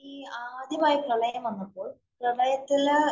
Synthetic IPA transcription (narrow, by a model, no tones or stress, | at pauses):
iːaːd̪ʱjɐmaːjɐpɾɐɭɐjɐmɐnːɐpːoːɭ | prɐlɐjɐt̪ːil